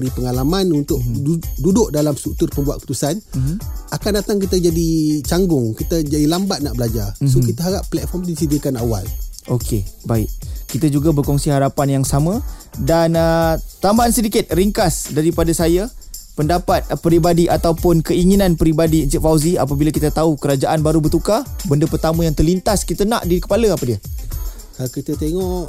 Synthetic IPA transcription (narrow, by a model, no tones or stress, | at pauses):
ɾipəŋalamãnunt̪ʊʔ̚dudʊʔdalamstuk̚t̪ʊrpəmbuat̪̚kəpu̥t̪usanm̩akandat̪aŋk̬it̪əd͡ʒadit͡ʃaŋɡʊŋkit̪ad͡ʒadilambat̪̚naʔbəlad͡ʒarsokit̪aɦaɾapːlɛt̪̚fɔmt̪isidikanawa̰lʔokʰebaɪʔ̚kit̪ad͡ʒuɡabərkɔŋsiɦaɾapanjaŋsamə̃danət̪ambaːnsədikɪt̪̚riŋkasdaɾipadasajapəndapat̪̚pəɾibadiʔat̪awpʊnkəiŋinãnpəɾibadint̪iʔfawzia̰p̬abilakit̪at̪aukəɾad͡ʒaʔanbaɾubərt̪ukabəndəpərt̪amə̃jaŋt̪ərlint̪askit̪ənã̰ʔdikə̥paləapədiə | kalakit̪ət̪eŋɔʔʔ